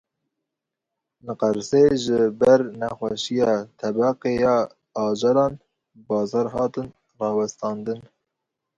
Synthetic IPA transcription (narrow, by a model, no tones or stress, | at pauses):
nɨqɑɾseʒəbɛɾnɛxʷɛʃijɑːt̪ʰɛbɑqejɑː | ɑːd͡ʒɑɾɑːn | bɑːzɑːɾɦɑːt̪ɨn | rɑːwɛst̪ɑːnd̪ɨn